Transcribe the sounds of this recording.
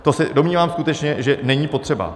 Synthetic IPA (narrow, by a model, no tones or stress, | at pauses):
t̪o̞sɛdo̞mɲiːvaːmskut̪ɛt͡ʃɲɛʒɛnɛɲiːpo̞t̪r̝̥ɛba̰